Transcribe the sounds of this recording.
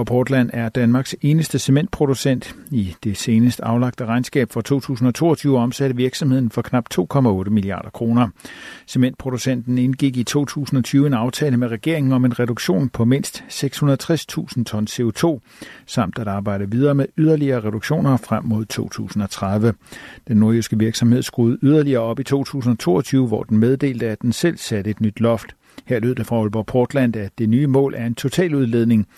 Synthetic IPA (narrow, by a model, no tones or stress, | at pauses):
ɒpʰɒːd̥læn̰æɐd̥ænmɑ̈ːɡ̥se̝ːnəsd̥əse̝mend̥̚pʰʁo̝d̥usen̰d̥id̥e̝se̝ːnəsd̥ɑ̈ʊlɑ̈ɡ̥̚d̥əʁɑ̈ɪnsɡ̥ɛ̰ːb̥fʁɑ̈t͡sʰo̝̰ːt͡sʰṵːsn̩ɒ̽t͡sʰo̝̰ːɐt͡sʰyːʊəɒ̽msæɾəʋiɐɡ̥sɒmhe̝ð̞̰ˠn̩fɒ̽kʰnɑ̈b̥̚t͡sʰo̝̰ːkʰɒ̽mæɔ̽ːɾəmiliɑ̰̈ːɾ̥ɐkʰʁo̝ːnɐse̝mend̥̚pʰʁo̝d̥usen̰d̥n̩enɡ̥iɡ̥it͡sʰo̝̰ːt͡sʰṵːsn̩ɒ̽t͡sʰyːʋəe̝nɑ̈ʊt͡sʰɛːləmeʁɛɡ̥e̝ɐe̝ŋn̩ɒ̽me̝nʁɛɾoɡ̥ɕo̝̰ːnpʰɒ̽me̝n̰sd̥seɡ̥shunɐð̩ˠt͡sʰʁɛst͡sʰṵːsn̩t͡sʰɒ̽nse̝o̝t͡sʰo̝̰ː | sɑ̈m̰d̥æɾ̥ɑ̈ːb̥ɑ̈ɪ̰d̥əʋið̞ˠɐːmeyð̞ˠɐliɐːʁɛɾ̥oɡ̥ɕo̝̰ːnɐfʁam̰ːo̝ð̞̰ˠt͡sʰo̝̰ːt͡sʰṵːsn̩ɒ̽t͡sʰʁaðˠʋəd̥enːo̝ɐøsɡ̥əʋiɐɡ̥sɒ̽mhe̝ð̞̰ˠsɡ̥ʁuːð̞̩ˠyð̞ˠɐliɐːɒ̽b̥it͡sʰo̝̰ːt͡sʰṵːsn̩ɒ̽t͡sʰo̝̰ːɒt͡sʰyːʊəʋɒ̰d̥en̩með̞ˠd̥e̝̰ːld̥əæ̥ensel̰sæɾ̥əe̝d̥nyd̥lɒ̽fd̥ | heɐ̰lø̰ð̰ˠd̥efʁɑ̈ɔlb̥ɒpʰɔːd̥læn̰d̥æd̥e̝nyːmɔ̰̽ːlʔæɐe̝nt͡sʰo̝t͡sʰɛ̰ːluð̞ˠle̝ðˠne̝ŋ